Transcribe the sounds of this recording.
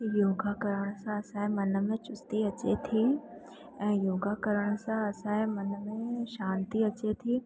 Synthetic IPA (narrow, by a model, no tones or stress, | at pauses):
joːɡakəɾəɽ̃əsãɐsãĩmɐnəmẽt͡ʃʊst̪iɐt͡ɕet̪ʰi | ɛ̃ːjoːɡakəɾəɽ̃əsãɐsãẽmɐnəmẽʃãːnt̪iɐt͡ɕet̪ʰiː